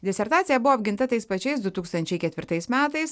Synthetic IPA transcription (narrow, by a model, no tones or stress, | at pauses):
d̪ʲɛsʲɛɾt̪ɑːt̪sʲɪjɛbʊʋoːbʲɡʲɪnt̪ɐt̪ɐɪspɐt͡ʃʲɛɪsd̪ʊt̪uːkst̪ɐnʲt͡ʃʲɛɪkʲɛt̪ʲʋʲɪɾt̪ɐɪsmʲæːt̪ɐɪs